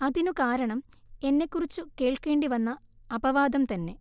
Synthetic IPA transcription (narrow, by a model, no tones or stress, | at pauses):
ɐðinukaːɾɐɳɐm | e̞nːe̞kːurit͡ɕːuke̞ːɭke̞ːɳɖiʋɐnːɐː | bɐʋaːd̪ɐmt̪ɐnːe̞